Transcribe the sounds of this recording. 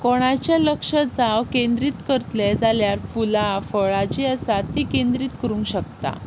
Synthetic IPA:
kɔɽ̃at͡ɕaləkʂəd͡zawkend̪ɾiːt̪kəɾt̪led͡zaljaɾfulafəɭat͡ɕiəsat̪ːikend̪ɾiːt̪kəɾuːŋkɕək̚t̪a̰

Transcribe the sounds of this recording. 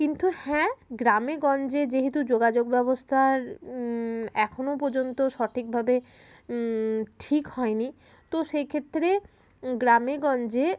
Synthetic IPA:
kint̪uhɛ̃ɡɾameɡɔnd͡ʑed͡ʑeɦet̪̬ud͡ʑoɡad͡ʑoɡbɛbost̪ʰaɾ | ɛkʰonopɔɾd͡ʑont̪oʃɔʈʰik̚bʱabe | ʈʰikhɔeni | t̪oʃejkʰet̪ːɾe | ɡɾameɡɔnd͡ʑe

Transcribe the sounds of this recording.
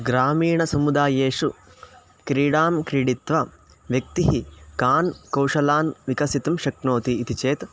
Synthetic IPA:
ɡɾaːmiːɳɐsɐmud̪aːjeːʂu | kɾiːɽaːmkɾiːɽit̪ʋɐ | ʋjɐk̚t̪iɦikaːnkɐwʂɐlaːnʋikɐsit̪ɐmʃɐknoːt̪iːt̪it͡ʃeːt̪

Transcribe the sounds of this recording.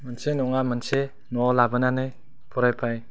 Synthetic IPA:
mɯnsenɔŋamɯnse | nɔlabɯnanɯj | pʰɔɾajpʰaj

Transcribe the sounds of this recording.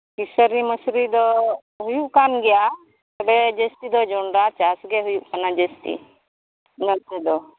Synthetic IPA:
kisəɾiməsɾid̪ɔ | ɦujuʔkanɡija | t̪ɐbed͡ʒest̪id̪ɔd͡ʒoɳɖat͡ʃasɡeɦujuʔkanad͡ʒest̪ḭ | nət̪ed̪ɔ

